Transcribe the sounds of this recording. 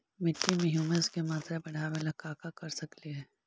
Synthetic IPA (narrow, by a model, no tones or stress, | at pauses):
mɪʈːimẽɦjuːmeskemaːt̪ɾabɐɽ̤aʋelɐkaːkakɐɾsɐkliɦɛː